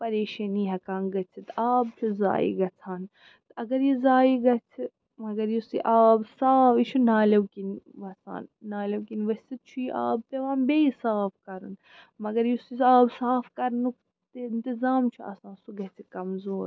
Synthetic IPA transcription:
pɐɾeːʃɐniːɦɐkãːnɡɐt͡sʰit̪aːb̚t͡ʃʰuza̰ːḭɡɐt͡sʰaːn | t̪ɐɡɐɾjizaːiɡɐt͡sʰi | mɐɡɐɾjisḭʔaːbsaːfit͡ʃʰunaːlɐwkinʋɐsa̰ːnːaːlɐwkinʋɐsʲt͡sit̪̚t͡ʃʰujiʔa̰ːb̚t̪eʋaːnbejisaːfkɐɾɨ̰n | mɐɡɐɾjusiaːbsaːfkɐɾnuk | t̪ɪnt̪izaːmt͡ʃʰuɐ̰sãːnsuɡɐt͡sʰikɐmzoːɾ

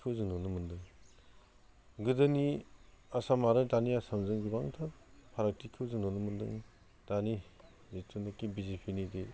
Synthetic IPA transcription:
kʰɯwzɯŋnonɯmɯndɯŋ | ɡɯdɯniasamaɾɯdaniasamzɯŋɡibaŋtʰaɾpʰaɾak̚tikʰɯwzɯŋnonɯmɯndɯ̰ŋ | d̥ani | zitʰunɯkibizepʰinidi

